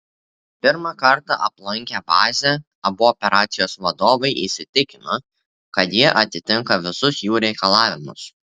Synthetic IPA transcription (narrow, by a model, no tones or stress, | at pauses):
pʲɪɾmɑkɐɾt̪ɑʔɐplˠɐŋʲkʲɛbɑːzʲɛ | ɐbʊɔpʲɛɾʔɑːt̪sʲɪjoːsʋɐd̪oːʋɐɪʔisʲɪt̪ʲɪkʲɪno | kɐt̪jiɛʔɐt̪ʲɪt̪ʲɪŋkɐʋʲɪsʊsjuːɾʲɛɪkɐlˠɑːʋʲɪmʊ̰s